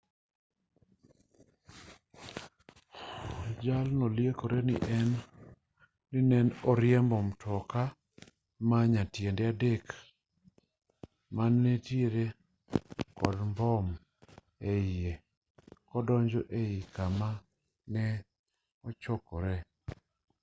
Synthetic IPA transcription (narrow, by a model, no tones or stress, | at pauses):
d͡ʒalnɔljekoɾenɪ̰ʔɛn | ɪnɛnɔɾɪɛmbɔmtʰɔka | maɲatjendɛadek | manːetjeɾe | kɔdmbɔm | ee | kɔdɔɲd͡ʒɔʔeikama | nɛ | ɔt͡ʃɔkɔɾɛ